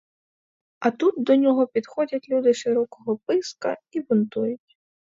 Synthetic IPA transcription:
ɐt̪ud̪̚d̪ɔnʲɔɣɔpʲit̪xɔd͡zʲɐt͡sʲlʲud̪ɨʂɨɾɔkɔɣɔpɪskɐ̰ibunt̪ujut͡sʲ

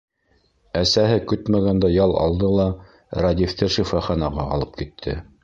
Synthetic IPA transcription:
æsæɦɘkɵt̪mæɡænd̪æjɑlˠʔɑ̰lˠd̪ɤlˠɑ | ɾad̪ʲift̪ɤʃifɑχɑnɑʁɑɑ̰lˠɤp̚kit̪ʰːɘ̰

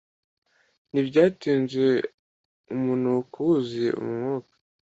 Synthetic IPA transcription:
nibɟaːtiːnze | umunukuwuzeṵmŋuːkḁ

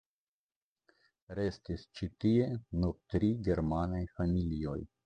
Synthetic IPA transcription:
ɾe̞stist͡ʃitie̞nuɾt̪ɾiɡe̞ɾmanajfamilio̞̰j

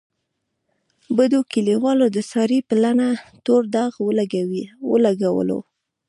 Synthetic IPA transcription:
bəd̪okiliwɑlod̪əsɑɾipəlanat̪oɾd̪ɑɣwlaɡawiwəlaɡawə̰lo̰

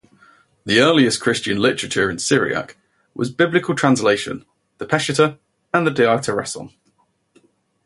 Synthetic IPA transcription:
ðiɜːliɪskʰɹ̥ɪst͡ʃə̃nlɪt͡ʃəɹət͡ʃəɹɪ̃nsɪɹḭə̰k | wʔɒ̰zbɪblɪkʰəlˠtʰɹ̥ãnsleɪʃə̰̃n | ðəpʰɛʃɪtʰə | ə̃nðədɛɑˑtʰəɹɛ̰sə̰̃n

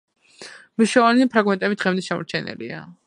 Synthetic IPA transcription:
miʃɔvaniipʰɾaɡmɛnt̪ʼɛbid̪ʁɛmd̪ɛsʃamɔ̰ɾt͡ʃʰɛnɛ̰lḭa

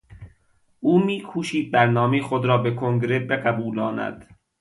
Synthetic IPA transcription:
ʔuːmiːkʰuːʃiːd̪̚bæɾnɒːmejexod̪ɾɒːbekʰoŋɡɾebeɡæbuːlɒːnæ̰d̪̥

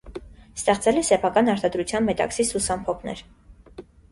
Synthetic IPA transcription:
st̪ɛχt͡sɛlɛsɛpʰɑkɑnɑɾt̪ɑd̪ɾut͡sʰjɑnmɛt̪ɑ̰ksisusɑmpʰɔpʰnɛ̰ɾ

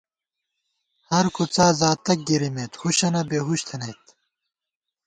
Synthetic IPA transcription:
hɐɾkʰut͡saːzaːt̪ɐk̚ɡiɾimet̪huɕɐnɐbeːɦuɕt̪ʰɐnet̪

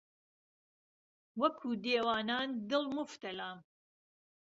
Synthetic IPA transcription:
wɐkʰuːd̪eːwaːnaːnd̪ɨlˠmʊft̪ɐlaːm

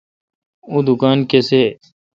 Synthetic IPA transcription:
uːd̪ʊkaːnkeseː

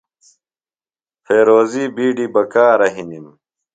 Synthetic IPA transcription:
fʰeːɾoːziːbiːɖibɐkaːɾɐɦinim

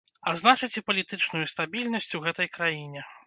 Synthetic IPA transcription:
aznat͡ʂɨt͡sʲipɐlʲit̪ɨt͡ʂnujust̪abʲilʲnɐsʲt͡sʲuɣɛt̪ɐjkɾajinʲɛ

